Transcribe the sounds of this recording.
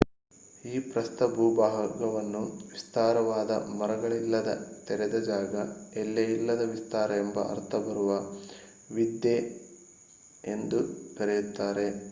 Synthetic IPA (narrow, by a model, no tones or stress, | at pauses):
iːpɾɐst̪ɐbʱuːbaːɦɐɡɐʋɐnːuʋist̪aːɾɐʋaːd̪ɐ̰mɐɾɐɡɐɭilːɐd̪ɐt̪ɛɾɛd̪ɐd͡ʒaːɡɐelːejilːɐd̪ɐʋist̪aːɾɐembɐ̰ʔɐ̰ɾt̪ʰɐbɐɾuʋɐ | ʋid̪je | end̪ukɐɾejut̪ːaːɾe̞